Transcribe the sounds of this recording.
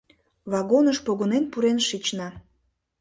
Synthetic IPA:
vɑɣonəʃpoɣonenpuɾenʃit͡ɕnɑ

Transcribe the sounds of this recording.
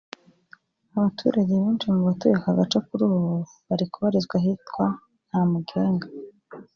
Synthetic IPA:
aβatʰṵɾaɟeβuːnt͡ʃimuβatujekaɡat͡ʃakuɾuːβo | βaɾikuβaɾizɡwaɦitkwa | n̥hamuɡeːŋɡa

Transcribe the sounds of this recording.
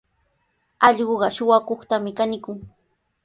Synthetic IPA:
ɑʎɢoɢɑʃʊwakoχt̪amɪkanɪkʊŋ

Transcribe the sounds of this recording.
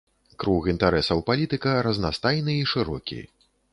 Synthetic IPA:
kɾuɣint̪aɾɛsɐwpalʲit̪ɨkɐɾɐznast̪ajnɨiʂɨɾɔkʲḭ

